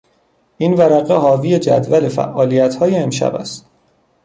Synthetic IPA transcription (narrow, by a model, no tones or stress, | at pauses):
ʔiːnvæɾæɣeɦɒːvije̞d͡ʒæ̰d̪væle̞fæ̰ʔːɒːlijæt̪ʰhɒːjeːmʃæ̰bæ̰st̪